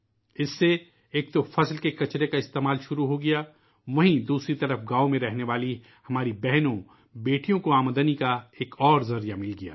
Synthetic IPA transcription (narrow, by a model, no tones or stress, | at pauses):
ɪsːe | eːk̚t̪ofʰɐslkekɐt͡ʃɾekaɪst̪eːmaːlʃʊɾuɦoɡɐjaː | ʋɐɦĩd̪uːsɾit̪ɐɾəfɡaːomẽɾɛɦneʋaːli | hɐmaːɾibɛɦnõ | beːʈijõkoaːmd̪ənikaeːkɔːɾzɐɾijamɪlɡɐja̰ː